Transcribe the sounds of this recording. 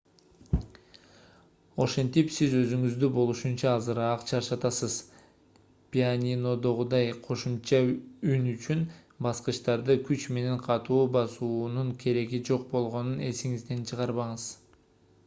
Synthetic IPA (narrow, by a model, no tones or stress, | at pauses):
o̞ʃe̞nt̪ipsizø̞zyŋyzd̪ybo̞lˠuʃunt͡ʃɑːzɯɾːqt͡ʃʰɑʃɑt̪ɑsɯz | pʲianʲino̞d̪o̞ʁud̪ɑjqʰo̞ʃumt͡ʃɑynyt͡ʃyn | bɑsqɯʃt̪ɑɾd̪ɯkʰyt͡ʃme̞ne̞ɴqʰɑt̪uːbɑsuːnuɴkʲʰe̞ɾe̞ɡid͡ʒo̞q̚bo̞lˠʁo̞nune̞̰siŋizd̪e̞nt͡ʃʰɯʁɑɾβɑɴɯz̥